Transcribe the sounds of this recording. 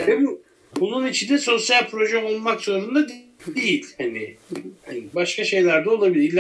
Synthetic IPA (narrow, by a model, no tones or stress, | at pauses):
vɛbu | bununit͡ʃʰind̪ɛso̞sjalʲpʰɾo̞ʒɛolˠmakz̥o̞ɾund̪ad̪ | ejilʲhanɪ | baʃkʰaʃe̞jlʲæɾd̪ɛolˠabilʲiɾlʲː